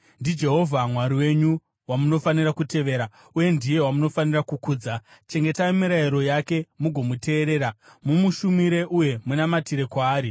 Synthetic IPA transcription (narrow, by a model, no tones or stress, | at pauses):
ndid͡ʒe̞ɦo̞vʱamwaɾiwe̞ɲu | wamuno̞faniɾakute̞ʋe̞ːɾa | uje̞ndije̞wamuno̞fanirakukuːd͡zat͡ʃe̞ŋɡe̞taimiɾaiɾo̞jake̞muɡʱo̞mute̞ːɾe̞ːɾamumuʃumiɾe̞ʔuje̞munamatiɾe̞kwaːɾi